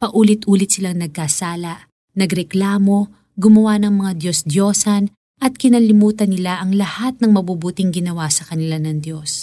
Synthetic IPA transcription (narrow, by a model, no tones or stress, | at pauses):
pɐʔuːlɪt̪̚ʔuːlɪt̪̚sɪlaŋnɐɡ̚kaːsaːlɐʔ | nɐɡɾɛklaːmo̞ | ɡʊmɐwanɐŋmɐŋad̪jo̞sd̪joːsɐn | ʔɐt̪̚kɪnalɪmuːt̪ɐnːɪlaʔɐŋlɐhat̪̚nɐŋmɐbuːbuːt̪ɪŋɡɪnɐwasɐkɐnɪlanɐŋd̪jo̞s